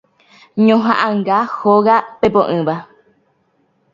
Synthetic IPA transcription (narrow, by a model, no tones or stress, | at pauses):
ɲõɦãʔãŋɡahoɣapepõʔɨ̃βa